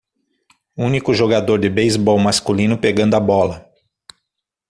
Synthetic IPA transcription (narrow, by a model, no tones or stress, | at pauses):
ũnikʊʒoɡad̪oɾd͡ʒɪbejzbɔwmaskulĩnʊpeɡɐ̃nd̪ʊɐabɔlɐ